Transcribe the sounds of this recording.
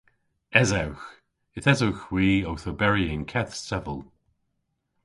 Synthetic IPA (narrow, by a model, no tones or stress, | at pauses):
ɛzawx | ɪθɛzəwxwiːowθəbɛɹiɪnkʰɛθsɛvəlˠ